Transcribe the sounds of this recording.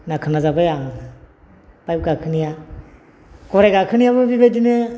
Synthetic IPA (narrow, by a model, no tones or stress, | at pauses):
nakʰɯnazabajaŋ | pajp̚ɡakʰɯnija | kɔɾeɡakʰɯnijabɯbibejdine